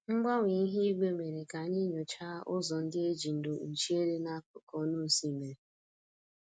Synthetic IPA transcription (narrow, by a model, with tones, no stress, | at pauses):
ŋ͡m̩˦ɡ͡ba˦ŋʷi˨˦ɦi˦i˦ɡ͡be˦˨me˨ɾe˨ka˨ɲɪ˦ɲo˨t͡ʃa˦ʔʊ˦zɔ˨n̩˦dɪ˦e˦d͡ʒi˨n̩˨do˨n̩˨t͡ʃi˦e˦ɾe˦na˦ʊ˨kɔ˦nu˦n̩˨si˦˨me˨